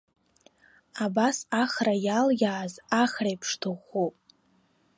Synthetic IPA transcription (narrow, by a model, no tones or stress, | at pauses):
abasaχrajaljaːzaχrejpʰʂtʰɨχupʼ